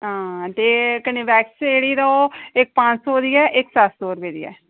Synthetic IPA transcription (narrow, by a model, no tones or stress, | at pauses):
ɦãːt̪eːkəniːʋɛːksɪeːɽiːɾaoɪk̚pãːt͡ʃsoːd̪iɛːʔɪksat̪soːɾbeːd̪ḭɛ̰ː